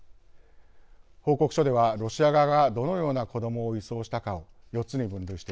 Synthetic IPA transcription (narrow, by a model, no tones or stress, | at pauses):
ho̞ːko̞kɯ̟̥ɕo̞d̪e̞β̞aɾo̞ɕiaɡaɡad̪o̞no̞jo̞ːnako̞d̪o̞mo̞ːiso̞ːɕi̥t̪akao̞ | jo̞t͡sɨɲ̟ibɯ̟̃nd̪ɯ̟iɕi̥t̪e